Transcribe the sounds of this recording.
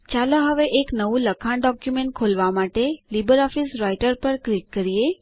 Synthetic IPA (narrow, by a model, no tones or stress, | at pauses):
t͡ʃaloɦəʋeʔeknəʋũləkʰaɳɖɔkjumeɳʈ̚kʰolʋamaʈelibəɾɔfisɾajʈəɾpəɾkɾiʈ̚kəɾie